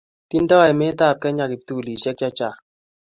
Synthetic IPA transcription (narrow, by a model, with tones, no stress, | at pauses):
ti˦n˦dɔ˦a˨i˨me˦ta˦˨p̚kɛ˦ɲa˦˨ki˨p̚tu˦˨li˨ʃɛ˦k̚t͡ʃa˦t͡ʃa˦˨